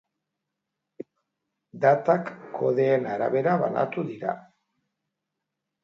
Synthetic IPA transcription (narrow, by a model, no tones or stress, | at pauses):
d̪at̪akːo̞̰ðeːnaɾa̰βe̞ɾaβa̰na̰t̪uðiɾa̰